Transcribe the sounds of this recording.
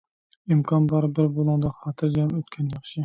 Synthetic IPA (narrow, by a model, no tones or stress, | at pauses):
imkʰɑnbɑɾbɪɾbolˠuŋd̪ɑχɑːt̪ʰɨɾd͡ʒɑmøt̪kʲʰɛnjɑχʃɪ